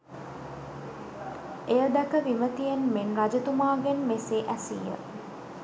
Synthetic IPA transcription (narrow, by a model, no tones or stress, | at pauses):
ejəd̪ɛkəʋimət̪ijenmenrad͡ʒɐt̪umaːɡenmeseʔæsḭjə̰